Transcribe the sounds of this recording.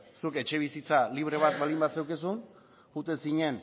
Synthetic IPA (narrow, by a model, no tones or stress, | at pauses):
suke̞t͡ʃe̞β̞isit͡saliβ̞ɾe̞β̞at̪βald̪imbase̞wkis̬un | xut̪esiɲe̞n